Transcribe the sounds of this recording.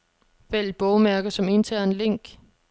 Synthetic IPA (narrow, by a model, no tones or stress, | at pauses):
ʋel̰b̥ɔʊmæɐɡ̥ɐsɒ̽me̝nt͡sʰæɐ̰nleŋ̰ɡ̥